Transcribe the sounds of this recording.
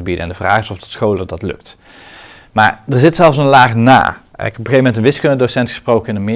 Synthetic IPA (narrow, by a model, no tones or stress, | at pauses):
əbidəɛ̰ndəvraːχɪsɔftɔ̥tsχowlədɑtlɵ̰k̚t | maːɹdəɹzɪtsɛlˠfsənlaːχna̰ːɪkɔpχejvəmɛntənʋɪskønədosɛntχə̥sprowkəɪnənmɪ